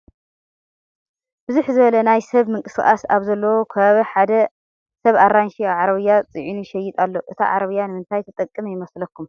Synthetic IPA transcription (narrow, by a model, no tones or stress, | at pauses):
bɨzuħzɨβɐlɐnajsɐβmɨŋkʼɨsɨxʼa̰saβzɐlːɐwokʰɐβɐħad̪ɐ | sɐβaɾanʃiaʕaɾɐβɨjːat͡sʼɨʕinuʃɛjːɪt̪ʼalːo̞ʔɨt̪ʰa̰ʕa̰ɾɐβɨjːanɨmɨnt̪ʰajt̪ʰɐt̪ʼɐkʼːɨmjɪmɐslɐkʰːum